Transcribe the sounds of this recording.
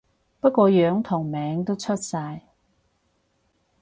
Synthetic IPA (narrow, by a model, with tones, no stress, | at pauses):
pɐ˥kʷɔː˧jœː˨˥ŋt̪ʰʊ˨˩ŋmɛː˨˥ŋt̪o˥wt͡sʰɵ˥t̚saː˧j